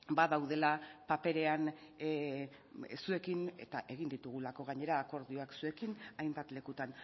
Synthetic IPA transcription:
baðawð̞e̞lapape̞ɾe̞an | sue̞kine̞̰t̪a̰ʔe̞ɣ̞ind̪it̪uɣ̞ulako̞ɣ̞aɲe̞ɾaːko̞ɾðio̞aksue̞kinajmbat̪le̞kut̪an

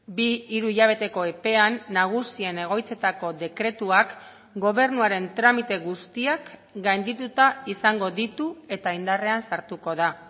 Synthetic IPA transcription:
biːɾuiʎaβ̞e̞t̪e̞ko̞e̞pe̞anːaɣ̞usie̞ne̞ɣ̞o̞jt͡se̞t̪ako̞ðe̞kɾe̞t̪uak | ɡo̞β̞e̞ɾnuaɾe̞nt̪ɾamit̪e̞ɣust̪iakɡajnd̪it̪ut̪aisaŋɡo̞ðit̪ue̞t̪aind̪are̞ansaɾt̪uko̞ð̞a

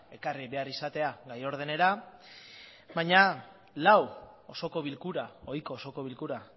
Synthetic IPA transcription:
e̞kariβe̞arisat̪e̞aɡajo̞ɾðe̞ne̞ɾa | βaɲa | law | o̞so̞ko̞β̞ilkuɾao̞jko̞ːso̞ko̞βilkuɾa

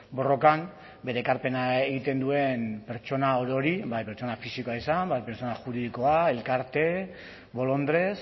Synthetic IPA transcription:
bo̞ro̞kam | be̞ɾe̞ːkaɾpe̞naeɣit̪e̞nd̪ue̞mpe̞ɾt͡ʃo̞naoɾo̞ɾibajpe̞ɾt͡ʃo̞nafisikoaesambajpeɾt͡so̞naʝuɾiðiko̞ae̞lkaɾt̪e̞ | βo̞lo̞nd̪ɾe̞s

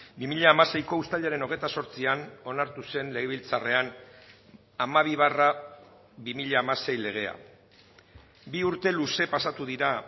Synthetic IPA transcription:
bimiʎaːmase̞jko̞ust̪aʎaɾe̞no̞ɣ̞e̞jt̪aso̞ɾt͡siano̞naɾt̪use̞nle̞ɣeβilt͡sare̞an | amaβ̞iβ̞ara | βimiʎaːmase̞jle̞ɣ̞e̞a̰ | biuɾt̪e̞luse̞pasat̪uðiɾa

